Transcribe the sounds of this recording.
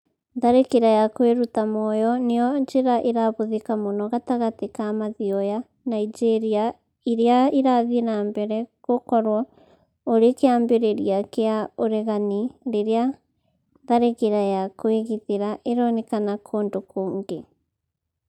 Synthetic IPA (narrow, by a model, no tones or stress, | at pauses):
ðaɾekeɾajakweɾutamɔjɔnejɔɲd͡ʒeɾaʔeɾaβoðikamonɔɣataɣatekamaðiɔja | naid͡ʒeɾia | iɾeaiɾaðinambɛɾɛkokɔɾwɔ | oɾekeaːmbeɾeɾiakeaoɾɛɣaniɾeɾea | ðaɾekeɾajakweɣiðeɾaʔeɾɔnekanakʰoːndokoːŋɡe